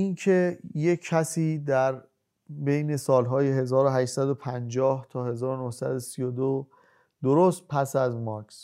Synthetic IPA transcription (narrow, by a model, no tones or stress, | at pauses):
ʔinkʰejekʰːæsiːd̪æɾ | be̞jne̞sɒːlɦɒːjeɦe̞zɒːɾoɦæʃsæd̪o̞pʰænd͡ʒɒːht̪ʰɒːhe̞zɒːɾonohsæd̪osijod̪o | d̪oɾost̪̚pʰæsæzmɒks